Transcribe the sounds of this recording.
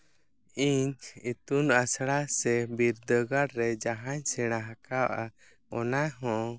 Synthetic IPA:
iɲt͡ʃit̪unasɽasɛbiɾd̪əɡaɽɾɛd͡ʒaɦaɲsɛɽ̃aɦakawʔa | ɔnaɦɔ̃

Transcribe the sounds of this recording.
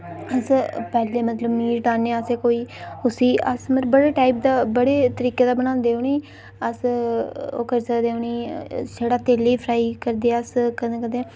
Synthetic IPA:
əspɛːleːmət̪ləbmiːɾʈ̪aːnẽːəseːkoːiːʊsiːə̰sməbəɽeːʈaːip̚d̪aːbəɽeːt̪əɾiːkeːd̪aːbəɽ̃ãːnd̪eːʊniː | əs | o̰ːkəɾsəkd̪ẽːʊniːd͡ʒeːɽaːt̪eːleːpʰɾaːiːkəɾd̪eːəskəẽːkəd̪eː

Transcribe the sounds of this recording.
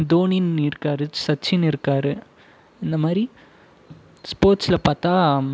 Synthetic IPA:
d̪oːninɪɾɯkːaːɾɯsɐt͡ʃːɪnɪɾɯkːaːɾɯ | ɪnd̪ɐmaːd̪ɾi | spoːɾʈsɪlɐpaːɾt̪aː

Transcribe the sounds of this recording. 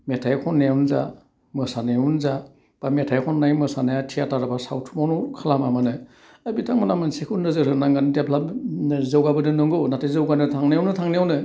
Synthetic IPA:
metʰajkʰɔnːeunza̰ | mɯsanejunza | b̥ametʰajkʰɔnːajmɯsanajatʰiataɾabasawtʰumawnukʰalamamanɯ | abitʰaŋmanamansekʰunːɯzɯɾɯnaŋɡandepʰlazawɡabɯdɯnɯŋɡɯwnatʰɯjzɯwɡanɯtʰaŋnijawnɯtʰaŋnijawnɯ

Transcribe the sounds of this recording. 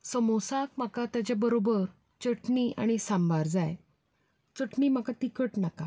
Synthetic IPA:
səmosak̚m̤akat̪jat͡ɕabəɾobəɾ | t͡ɕəʈɳia̰ɽ̃isãmbaɾd͡zaj | t͡səʈɳiːm̤akat̪ikəʈnaka

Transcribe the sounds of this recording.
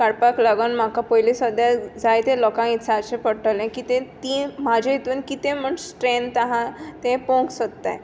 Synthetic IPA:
kaɽpaklaɡənm̤akapɔjlĩsəd̪jad͡zajt̪elɔkãit̪sʰaəɕẽpəɽʈəlẽkit̪ẽt̪iːmad͡ʑʱeit̪uːnkit̪ẽm̤əɳsʈɾent̪aɦãt̪ẽpõŋksət̪t̪a̰j

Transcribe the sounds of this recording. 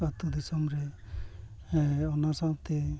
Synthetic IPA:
at̪ud̪isɔmɾɛ | ɔnasat̪e

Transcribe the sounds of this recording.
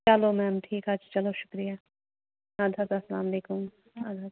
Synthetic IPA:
t͡ʃɐlomɛːmʈʰiːkɦɐd͡ʒt͡ʃɐloʃʊ̥kɾijaː | aːd̪ʱɐt̪asɐlaːmɐleːkʊm | aːd̪ʱat̪

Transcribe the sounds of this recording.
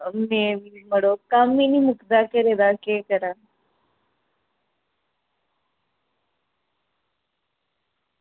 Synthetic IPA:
meiməɽokamːinimukd̪akəɾed̪akekəɾa

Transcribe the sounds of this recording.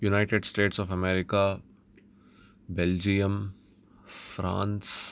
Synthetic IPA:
junaɪʈeɖsʈeːʈsɔːfɐmɛːɾɪka | beld͡ʒijəm | fɾã̰ːns

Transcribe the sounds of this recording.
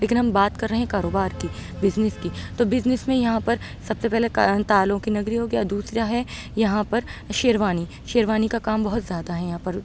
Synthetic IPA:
leːkɪnɦɐ̃mbaːt̪kɐɾːɐɦẽɦkaːɾoːbaːɾki | bɪznɪskit̪oːbɪznɪsmẽjɐɦãpɐɾ | sɐbsepɛɦlekt̪aːlõkinɐɡɾiɦoːɡɐjad̪uːsɾaɦɛ | jɐɦãpɐɾʃeːɾʋaːni | ʃeːɾʋaːnikakaːmbɐɦʊt̪zjaːd̪aɦɛjɐɦãpɐɾ

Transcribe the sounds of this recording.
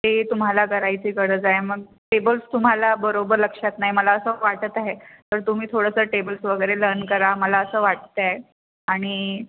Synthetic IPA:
t̪et̪um̤alaɡʱəɾajt͡ɕiːkəɽəd͡zaeməɡ̚ | ʈebəlst̪um̤alabəɾobəɾləkʂat̪naɦiməlaəsəʋaʈət̪aɦet̪əɾt̪um̤iːt̪ʰoɽəsəʈebəlsʋəɡəjɾelənkəɾaməlaəsəːʋaʈ̚t̪a | aɽ̃i

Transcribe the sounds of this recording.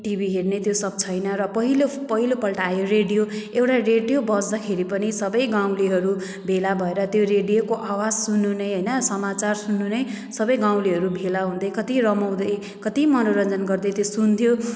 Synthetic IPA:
ʈibiɦernet̪josʌb̚t͡sʰʌjnʌɾʌpʌɦilopʌɦilopʌlʈajoɾeɖijoewʈareɖijobʌsd̪akʰeɾipʌnisʌbʌjɡaw̃liɦʌɾu | bʱelabʱʌeɾʌt̪joɾeɽijokoʔawad͡zsunːunʌjɦʌjnʌsʌmat͡sarsunːunʌj | sʌbʌjɡãw̃liɦʌɾubʱelaɦũnd̪ʌjkʌt̪iɾʌmʌw̃d̪ʌj | kʌt̪imʌnoɾʌnd͡zʌnɡʌrd̪ʌjt̪josunt̪ʰjo

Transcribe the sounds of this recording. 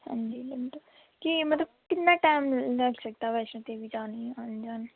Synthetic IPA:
hã̰nd͡ʒiləmt̪ə | kimɐt̪ləbkɪt̪naʈaːɪmlɐɡsək̚t̪aʋɛːsõt̪ebʱid͡ʒaːniɦãnd͡ʒaːn

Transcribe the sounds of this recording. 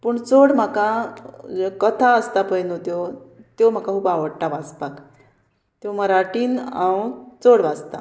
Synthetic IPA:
puɳt͡soɽm̤akad͡ʑekət̪ʰaəst̪apəjnot̪jot̪jom̤akaɦuːbaʋəɽʈaʋad͡zpak | t̪joməɾaʈiːnãwt͡soɽʋad͡zt̪a̰

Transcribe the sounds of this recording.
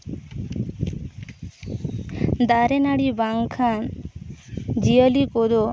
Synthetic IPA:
d̪aɾenaɽibaŋkʰan | d͡ʑiəlikod̪o

